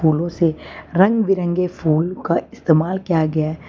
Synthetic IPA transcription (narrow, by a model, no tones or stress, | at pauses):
uːlõseɾɐ̃ŋɡʋɪɾə̃ŋɡefʰuːlkaɪst̪eːmaːlkijaɡɐjaɦɛː